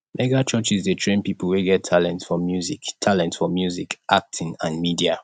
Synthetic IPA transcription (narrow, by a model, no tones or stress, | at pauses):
mɛɡat͡ʃɔt͡ʃizdətʰɹẽnpipəl̩ˠweɡɛtʰːalɛ̃ntsfɔmjuziktʰalɛ̃ntsfɔmjuzikʔak̚tʰĩŋãnmidia